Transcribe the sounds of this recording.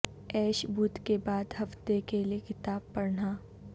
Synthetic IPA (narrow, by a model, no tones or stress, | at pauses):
ɛːʃbʱut̪kebaːd̪ɦɐft̪ekeliekɪt̪aːb̚pɐɾnaː